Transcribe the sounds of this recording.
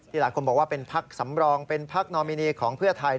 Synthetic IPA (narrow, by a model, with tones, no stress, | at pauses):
t̪ʰiː˥˩aː˨˦jkʰo˧nbɔː˨˩waː˥˩pe˧npʰa˦˥k̚sa˩˦mɾɔː˧ŋpe˧npʰa˦˥k̚nɔː˧miː˧niː˧kʰɔː˩˦ŋpʰɯ˥˩ɐt̪ʰa˧j